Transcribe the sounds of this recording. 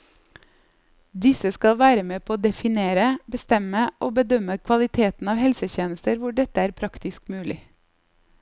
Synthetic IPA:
d̪ɪsəskɑlʋæːɾəmeːpʰoːd̪ɛfɪneːɾəbəst̪ɛməʔoːbəd̪œməkʰʋɑlɪt̪ʰeːt̪n̩ɑːʋhɛlsəçeːnəst̪əɾʋʊɖɛt̪əæːɾpʰɾɑkt̪ɪskmʉːlɪ

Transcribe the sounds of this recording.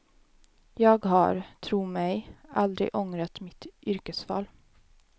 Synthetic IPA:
jɑːɡɦɑ̰ɾt̪ʰɾuːmɛɪʔald̪ɾɪ̰ʔɔŋɾat̪mɪt̪ʔʏɾkəsfɑ̰ːl

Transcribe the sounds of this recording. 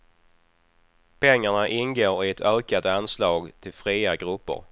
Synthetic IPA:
pʰɛŋːaɳaʔɪnɡoːɾɪɛt̪ʰœːkad̪əanslɑːɡt̪ʰɪlfɾiːaɡɾɵpːə̰ɾ

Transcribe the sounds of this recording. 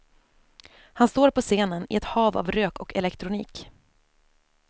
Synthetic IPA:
hanst̪oːɾpɔseːnənɪ̰ɛt̪hɑːva̰vɾøːkɔkɛlɛkt̪ɾʊnḭːk

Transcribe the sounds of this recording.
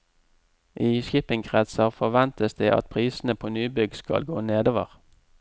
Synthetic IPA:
ʔiːʃɪpɪŋɡʁɛt̪səʁfɔʋɛnt̪əsd̪eːʔɑ̰t̪̚pʰʁiːsn̩əpʰoːnyːbʏɡskɑ̰lɡoːneːd̪oːʋəʁ

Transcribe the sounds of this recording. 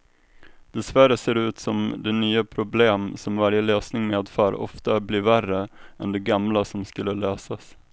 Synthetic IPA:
d̪̥ɛsvæɾəseːɾʉ̟ːt̪sɔmd̪ɛnyːapʰɾʊbleːmsɔmvaɾjəløːsnɪŋmeːd̪fœːɾɔ̰ft̪abliːɾværəɛnd̪ɛɡamlasɔmskɵlːəløːsas

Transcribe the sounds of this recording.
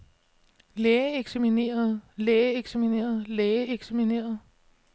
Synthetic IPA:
leːeɡ̥sæmine̝̰ːɐð̞̩ˠleːeɡ̥sæmine̝̰ːɐð̞̩ˠleːeɡ̥sæmine̝̰ːɐð̩ˠ

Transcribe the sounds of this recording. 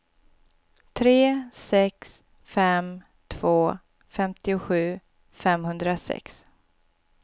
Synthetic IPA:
t̪ʰɾeːsɛks | fɛm | t̪ʰv̥oː | fɛmt̪ɪʊɧʉ̟ː | fɛmhɵnd̪ɾasɛ̰ks

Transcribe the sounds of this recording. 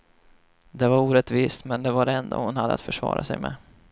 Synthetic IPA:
d̪ɛvaɾuːɾɛt̪viːst̪mɛnd̪ɛvaɖɛnd̪o̰hʊnhad̪ːəa̰t̪fœʂvɑ̰ːɾasɛjmɛ̰

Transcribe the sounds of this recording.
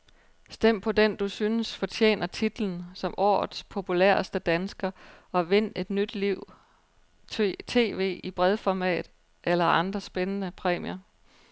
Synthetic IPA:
sd̥em̰pʰɒ̽d̥end̥usynəsfɒ̽t͡ɕʰḛːnɐt͡sʰid̥ln̩sɒ̽mʔɒ̰ːð̩ˠspʰo̝pʰulḛɐ̰sd̥əd̥ænsɡ̥ɐɒ̽ʋe̝n̰e̝d̥nyd̥liʊ̰ | t͡sʰe̝̰ːʋe̝̰ːib̥ʁɛðˠfɒmɛ̰ːd̥ | ʔelɐʔɑ̈nd̥ʁɐsb̥enənəpʰʁɛ̰ːmiɐ

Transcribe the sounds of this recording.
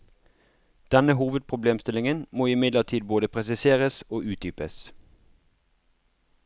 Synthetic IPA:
d̪̥ɛnəhuːʋəd̪̚pʰʁʊbleːmst̪ɪlɪŋənmoːɪmɪd̪ləʁt̪ʰiːd̪̚boːd̪əpʰʁɛsɪseːʁəsoːʔʉːt̪̚d̪yːpəs

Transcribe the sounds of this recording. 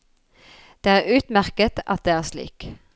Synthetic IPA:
d̪̥eːæːʁʉːt̪mæʁkət̪ʔɑ̰t̪̚d̪eːæːslḭːk

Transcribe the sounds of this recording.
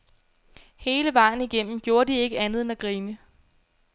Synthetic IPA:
he̝ːləʋɑ̈ɪ̰n̩iɡ̥en̰m̩ɡ̥jo̝ːɐd̥ie̝ɡ̥əænð̞̩ˠenæɡ̥ʁiːnə

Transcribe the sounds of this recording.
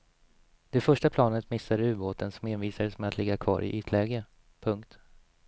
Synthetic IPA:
d̪̥ɛfœʂʈapʰlɑːnət̪mɪsːaɾʉ̟ːboːt̪ənsɔmhɪːnviːsadəsmɛat̪lɪɡːakʰvɑ̰ːɾʔɪ̰ʔyːt̪ʰlɛːɡə | pʰɵŋkt̪

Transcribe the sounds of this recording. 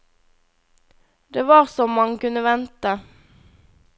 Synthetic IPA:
d̪eːʋɑːʁsɔmːɑŋəkʉnəʋɛnt̪ə

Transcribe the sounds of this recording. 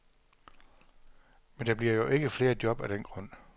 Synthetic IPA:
mend̥ɑ̈b̥liɐ̰jo̝ʔe̝ɡ̥əfle̝ːɐd̥jɒ̽b̥æɾ̥enɡ̥ʁɔ̽n̰

